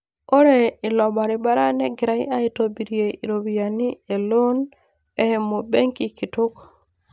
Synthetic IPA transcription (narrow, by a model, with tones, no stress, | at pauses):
o˦ɾe˨ɪ˨lɔ˨ba˨ɾɪ˨ba˦ɾa˦nɛ˦ɡɪ˨ɾa˦i˦a˦i˦to˦bi˨ɾje˨i˨ɾo˨bi˨ja˨ni˦e˨lo˦n | e˦he˨mo˨be˦ŋki˨ki˨tu˦k